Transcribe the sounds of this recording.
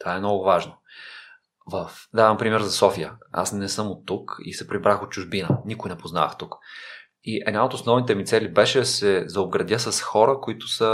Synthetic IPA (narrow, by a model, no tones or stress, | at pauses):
t̪ovaɛmnɔɡʊvaʒno | vəfd̪avəmpɾimɛɾzɐsɔfijə̰a̰snɛsɤmot̪ːukḭsɛpɾibɾaxot̪̚t͡ʃʊʒbinənikʊjnɛpozna̰xt̪uk | iʔɛ̰d̪naot̪osnɔvnit̪ɛmit̪sɛlibɛʃɛd̪ɐsɛzɐob̚ɡɾɐd̪ʲəsɐsxɔɾəkoit̪ʊ̥sə